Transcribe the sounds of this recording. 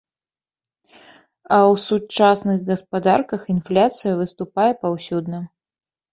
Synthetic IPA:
ɐwsut͡ʂasnɨɣɡɐspad̪arkɐxinflʲat̪sɨjɐvɨst̪upajɛpawsʲud̪nɐ

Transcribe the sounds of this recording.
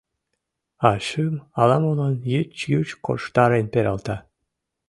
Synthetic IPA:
ɑʃɨmɑlɑmulɑnjit͡ɕjyt͡ɕko̰ʃt̪ɑɾenpeɾʲɑlˠt̪ɑ

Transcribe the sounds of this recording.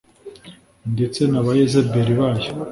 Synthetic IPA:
nde̞t͡se̞naβajezebeɾiβaːjo̥

